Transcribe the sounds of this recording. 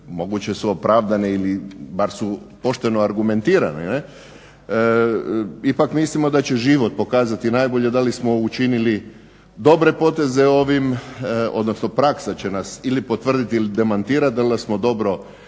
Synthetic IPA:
mo̞ɡut͡ɕe̞suopɾaʋd̪aneilibaɾsupo̞ʃt̪e̞noaɾɡume̞nt̪iːɾa̰nḛne | ipakmislimod̪at͡ɕe̞ʒiʋo̞t̪̚po̞kaːzat̪inajbo̞ʎe̞d̪alismo̞ut͡ʃinili | d̪o̞bɾe̞po̞t̪e̞ze̞o̞ʋimo̞d̪nosno̞pɾaksat͡ɕe̞nasilipot̪ʋr̩d̪it̪ilid̪e̞mant̪iːɾat̪̚d̪ald̪asmo̞d̪o̞bɾo̞

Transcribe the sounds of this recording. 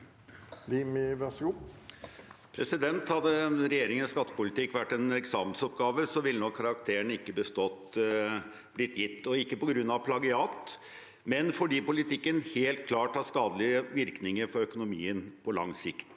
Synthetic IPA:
d̪imɪʋɛsɡu | pʰɾɛsɪd̪ɛnt̪hɑd̪ːəɾɛjeːɾɪŋənskɑt̪ːə̥pʊlɪt̪ɪkːʋæʈːɛnɛksɑːmənsɔp̚ɡɑːʋəsɔʋɪlnɔkʰːɑɾɑkt̪ʰeːəɳəɪkːəbəst̪ɔt̪ | b̥lɪt̪ːjɪt̪ːɔɪkːəpɔɡɾʉnːɑʋpʰlɑɡɪɑːt̪ | mɛnfɔɖiːpʊlɪt̪ʰɪkːənheːlt̪̚kʰlɑːʈhɑʂkɑːd̪əlɪəʋɪɾknɪŋəɾfɔɾœkʊnʊmiːənpʰɔlɑ̰ŋsɪkt̪

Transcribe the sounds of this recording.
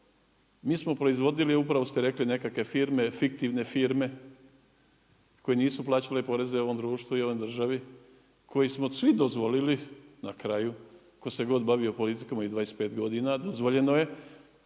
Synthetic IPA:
miːsmo̞pɾo̞izʋo̞d̪iliupɾaʋo̞st̪e̞ɾe̞klinekakʋe̞fiɾme̞fik̚t̪iʋne̞fiɾme̞ | ko̞je̞niːsuplˠaːt͡ɕalepo̞ɾe̞zeo̞ʋo̞md̪ɾuːʃt̪ʋuio̞ʋo̞jd̪r̩ʒaʋi | kʰo̞jismo̞sʋid̪ozʋo̞lilinakɾaju | ko̞se̞ɡo̞d̪baʋio̞po̞lit̪i̥ko̞mid̪aːjespe̞ːt̪ɡo̞d̪inad̪ozʋoʎe̞noje̞

